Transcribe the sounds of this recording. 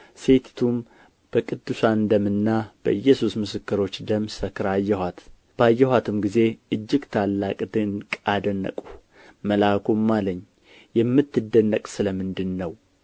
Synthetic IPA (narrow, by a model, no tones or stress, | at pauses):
se̞t̪t̪ʰum | b̥əkʼɨd̪ːɨsand̪əmɨnːab̥ə̰ʔɨjːɛsusmɨsɨkːɨɾo̞t͡ʃːd̪əmsəkɨɾajːɛhat̪ | b̥əajːɛhat̪ʰɨmɡize̞ʔɨd͡ʒːɪɡt̪ʰalːakʼd̪ɨnkʼad̪ənːə̰kʼu | məlakʰomːaləɲː | jɛmːɨt̪ːɨd̪ːənːəkʼsɨləmɨnd̪ɨnːəw